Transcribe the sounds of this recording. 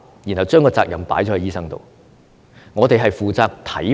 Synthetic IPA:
ji˨˩nhɐ˨˩wt͡ʃœː˥ŋkɔː˧t͡saː˧k̚jɐ˨mpa̰ː˨˥jt͡ʃɔː˨˥ɐ˨˥jiː˥sɐ˥ŋt̪o̰˨w | ŋɔː˨˧t̪e˨jɦɐ˨jfuː˨t͡saː˧k̚t̪ʰɐ˨˥

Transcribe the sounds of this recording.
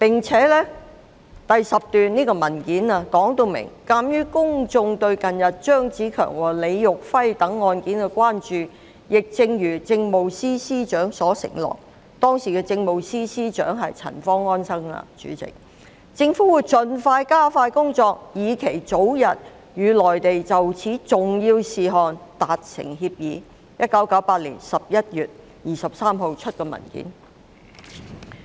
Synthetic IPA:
pɪ˨ŋt͡sʰɛː˨˥lɛː˥ | t̪ɐ˨jsɐ˨p̚t̪yː˨nniː˥kɔː˧mɐ˨˩nkiː˨˥naː˨˧kɔː˨˥ŋt̪o˧wmɪ̰˨˩ŋkaː˧mjyː˥kʊ˥ŋt͡sʊ˧ŋt̪ɵ˧ɥkɐ˨njɐ˨t̚t͡ʃœː˥ŋt͡siː˨˥kʰœ̰ː˨˩ŋwɔː˨˩le˨˧jːʊ˨k̚fɐ˥jt̪ɐ˨˥ŋːɔː˧nkiː˨˥nkɛ˧kʷwaː˥nt͡ʃyː˨˩ | jɪ˨k̚t͡sɪ˧ŋjyː˨˩t͡sɪ˧ŋmo˨wsiː˥siː˥t͡ʃœː˨˥ŋsɔː˨˥sɪ̰˨˩ŋlɔ̰ː˨k̚ | t̪ɔː˥ŋsiː˨˩kɛː˧t͡sɪ˧ŋmo˨wsiː˥siː˥t͡ʃœ̰ː˨˥ŋɦɐ˨jt͡sʰɐ̰˨˩nfɔː˥ŋɔː˥nsɐ˥ŋlɐ̰˧t͡ʃy̰ː˨˥t͡sɪ̰˨k̚ | t͡sɪ˧ŋfuː˨˥wu˨˥jt͡sɵ˨nfaː˧jkaː˥faː˧jkʊ˥ŋt͡sɔː˧k̚jiː˨˧kʰe˨˩jt͡so˨˥wjɐ˨t̚ | jyː˨˧lɔː˨˩jt̪e˨jt͡sɐ˨wt͡sʰiː˨˥t͡sʊ˨ŋjiː˧wsiː˨ɦɔː˨nt̪aː˨t̚sɪ̰˨˩ŋɦiː˧p̚jiː˨˧ | jɐ˥t̚kɐ˨˥wkɐ˨˥wpaː˧t̚lḭː˨˩nsɐ˨p̚jɐ˥t̚jyː˨t̚ | jiː˨˩sɐ˨p̚saː˥mɦo˧wt͡ʃʰɵ˥t̚kɛː˧mɐ̰˨˩nkḭː˨˥n

